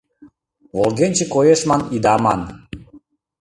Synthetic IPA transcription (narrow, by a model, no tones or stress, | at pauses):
volˠɣenʲt͡ɕekojeʃmɑnid̪ɑmɑ̰n